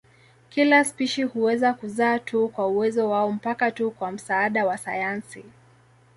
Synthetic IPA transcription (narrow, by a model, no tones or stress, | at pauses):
kilaspiʃihuɛzakuzaːtʰukwauwɛzɔwaɔm̩pakatukwam̩saaɗawasajansi